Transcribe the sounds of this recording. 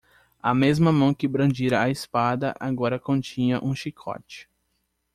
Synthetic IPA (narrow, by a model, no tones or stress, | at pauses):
ɐmezmɐmɐ̃w̃kɪbɾɐ̃d͡ʒiɾɐːespad̪ɐʔaɡɔɾɐkõt͡ʃĩɲɐʔũʃikʰɔ̰t͡ʃɪ̥